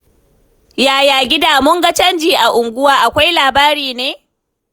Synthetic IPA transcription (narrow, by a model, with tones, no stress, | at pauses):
jaː˨jaː˨ɡʲɪ˦daː˨mʊ˦ŋɡa˦t͡ʃɐ˦nd͡ʒiː˨ʔa˨ʔʊ˨ŋɡʷʊ˦waː˦ʔa˨kʷa˦jlaː˨baː˦ɾiː˨neː˦